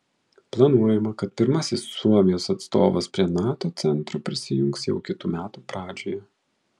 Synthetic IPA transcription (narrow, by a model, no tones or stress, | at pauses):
plˠɐnuɔjɛmɐkɐt̪̚pʲɪɾmɐsʲɪsːuɔmʲɪjoːsɐt̪st̪oːʋɐspʲɾʲiɛnɑːt̪oːt̪sʲɛnt̪ɾoːpʲɾʲɪsʲɪjʊŋksjɛʊkʲɪt̪uːmʲæːt̪uːpɾɑːd͡ʒʲoːjɛ